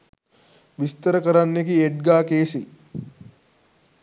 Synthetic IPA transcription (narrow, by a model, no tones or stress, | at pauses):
ʋist̪əɾəkəɾanːekieʈ̚ɡaːkeːsi